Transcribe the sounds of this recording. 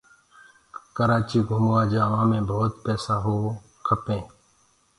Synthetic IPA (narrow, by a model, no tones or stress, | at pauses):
kəɾaːt͡ʃiːɡʱʊmːaːd͡ʒaːʋãːmẽːbʱoːt̪pɛːsaːɦoː | kʰəpẽː